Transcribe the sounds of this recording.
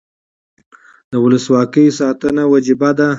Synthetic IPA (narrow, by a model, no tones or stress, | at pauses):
d̪̥əwʊləswɑkəjsɑt̪ənawad͡ʒɪbad̪a